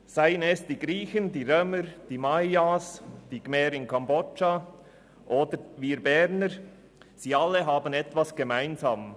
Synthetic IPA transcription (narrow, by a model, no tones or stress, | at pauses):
saɪənɛsd̥iːɡɾiːçəndiːʁøːməɾd̥iːmajasd̥iːɡ̥mɛːɾɪnkʰambɔt͡ʃa | ʔoːdəɾviːɾbɛɾnəɾ | z̥iːalːəɦaːbənɛtvasɡ̥emaɪnzaːm